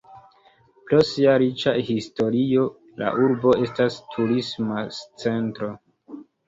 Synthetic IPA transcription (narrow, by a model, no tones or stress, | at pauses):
plosiaɾit͡ʃahisto̞ɾio̞ | la̰ʔuɾbo̞e̞stastʰuɾismat͡se̞ntɾo̞